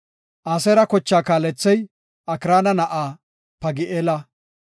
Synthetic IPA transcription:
ʔɐsɛɾɐkɔt͡ʃːaːkaːlɛt͡sːɛj | ɐkɪɾaːnɐnɐʔaː | pɐɡɪʔeːlɐ

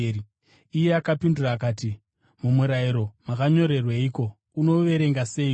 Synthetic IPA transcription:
ijeakapinduraːkaːti | mumuɾaiɾo̞makaɲo̞ɾe̞rwaiko̞ | uno̞ʋe̞ɾe̞ŋɡase̞ːi

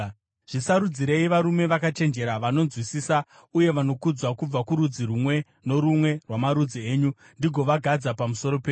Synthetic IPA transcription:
ʐ̥isaɾud͡ziɾe̞iʋaɾume̞ʋakat͡ʃe̞nd͡ʒe̞ɾaʋano̞nzwisiːsa | uje̞ʋano̞kud͡zwakub͡vakuɾud͡zirumwe̞ | no̞ɾumwe̞rwamaɾud͡zie̞ːɲu | ndiɡʱo̞ʋaɡʱad͡zapamuso̞ɾo̞peː

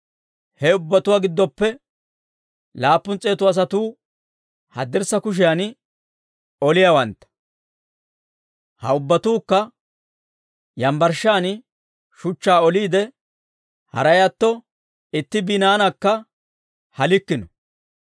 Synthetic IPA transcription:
hɛʊbːɐt̪ʊwaɡɪd̪ːɔpːɛ | laːpːʊnt͡sʼːe̞ːt̪ʊɐs̬ɐt̪uː | hɐd̪ɪɾsɐkʊʃ̬ɪjan | ɔlɪjawɐnt̪ːɐ̥ | hɐ̰ʊbːɐt̪uːkːɐ | jɐmbɐɾʃaːn | ʃʊt͡ʃːaːɔliːd̪ɛ | hɐ̰ɾɐjɐt̪ːɔ | ɪt̪ːɪbɪnaːnɐkːɐ | hɐlɪkːɪnɔ

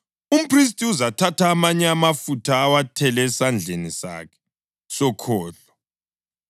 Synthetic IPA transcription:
um̩pʰris̬tʼiuzatʰatʰaːmaɲɛamafutʰaːwatʰɛlɛsand͡ɮʱenisa̰kʰɛ̥ | sɔkʰɔːɮɔ

